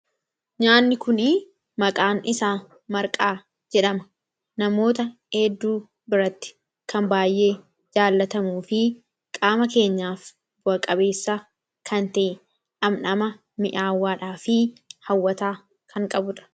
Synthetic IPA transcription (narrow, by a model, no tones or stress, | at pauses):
ɲaːnːɪkʊnɪ | mɐkʼaːnɪsaː | mɐɾkʼaː | d͡ʒɛᶑɐmɐ̥ | nɐmo̞ːt̪̬ɐhɛd̪ːuː | bɪɾɐt̪ːɪ̥ | kɐmbaːjːe̞ː | d͡ʒaːlːɐt̪ɐmuːfɪ | kʼaːmɐke̞ːɲːaːf | bʊɐkʼɐbe̞ːsːa | kʰɐnt̪ɐʔɛ | ᶑɐmnɐmɐ | mɪʔaːwːaːᶑaːfɪhɐwːɐt̪aː | kʰɐŋkʼɐbʊᶑɐ̥